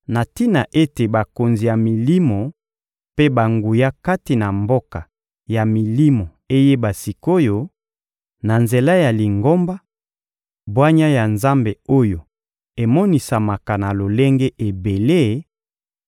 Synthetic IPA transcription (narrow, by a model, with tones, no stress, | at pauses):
na˨ti˦na˨ʔe˦te˨ba˨ko˨nzi˨ja˨mi˨li˦mo˨ | pe˦ba˨ŋɡu˨ja˦ka˦ti˨na˨mbo˦ka˨ | ja˨mi˨li˦mo˨ | e˦je˦ba˨si˨ko˦jo˦ | na˨nze˨la˦ja˨li˨ŋɡo˦mba˦ | bwa˦ɲa˦ja˨nza˦mbe˨o˦jo˨ | e˨mɔ˦ni˨sa˨ma˨ka˨na˨lo˨le˦ŋɡe˦ʔe˨be˨le˦